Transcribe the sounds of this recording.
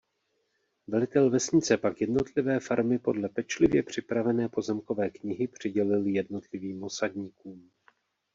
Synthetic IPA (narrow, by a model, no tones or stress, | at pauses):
vɛlɪt̪ɛlvɛsɲɪt͡sɛpakjɛdno̞t̪lɪvɛːfaɾmɪpo̞dlɛpɛt͡ʃlɪvjɛpr̝̥ɪpɾavɛnɛːpo̞zɛmko̞vɛːkɲɪɦɪpr̝̥ɪɟɛlɪljɛdno̞t̪lɪviːmo̞sadɲiːkuːm